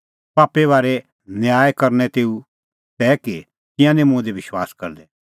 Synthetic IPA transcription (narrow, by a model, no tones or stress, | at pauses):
paːpːeβaːɾɛ | njaːjkɐɾnɛt̪eːu | t̪ɛːki | t̪ɪ̃jãnẽmʊ̃d̪eʋɪʃwa̰ːskɐ̰ɾd̪ɛ